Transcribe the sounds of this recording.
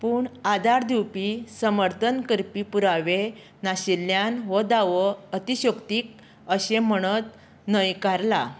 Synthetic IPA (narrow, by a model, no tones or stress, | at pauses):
puːɳad̪aɾd̪ʱiwpisəməɾt̪ʰənkəɾpipuɾaʋe | naɕilːjanʋəd̪aʋəət̪iɕəkt̪iːk̚ | əɕem̤əɽ̃ət̪ | nəjkaɾla